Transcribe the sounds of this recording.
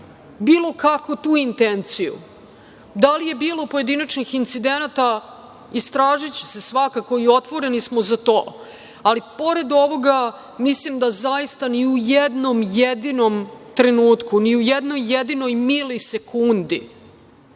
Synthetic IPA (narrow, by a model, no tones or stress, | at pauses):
biːlˠo̞kakʋut̪uːint̪ent̪sijṵ | d̪alije̞biːlˠopoje̞d̪inat͡ʃnixint̪sid̪e̞nat̪a | ist̪ɾaːʒit͡ɕe̥se̞sʋakako̞io̞t̪ʋo̞ɾenismozat̪o̞ː | alipo̞ɾe̞d̪o̞ʋo̞ɡa | mislimd̪azajist̪aniujed̪no̞mjed̪ino̞mt̪ɾenuːt̪kuniujed̪no̞jːed̪ino̞jmilose̞kʰund̪ḭ